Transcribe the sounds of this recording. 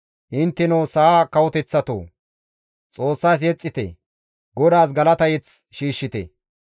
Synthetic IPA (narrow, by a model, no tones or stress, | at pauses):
ʔɪnt̪ːɛnɛwsɐaːkɐwɔt̪ɛt͡sːɐt̪o̰ː | t͡sʼo̞ːsːaːs̬jɛt͡sʼːɪt̪ɛ̰ | ɡɔd̪aːs̬ɡɐlɐt̪ɐjɛt͡s | ʃiːʃːɪt̪ɛ̰